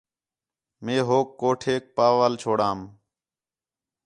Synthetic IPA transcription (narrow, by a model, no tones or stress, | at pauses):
mẽːɦoːkːoːʈʰeːk̚paːʋaːlt͡ʃʰoːɽaːm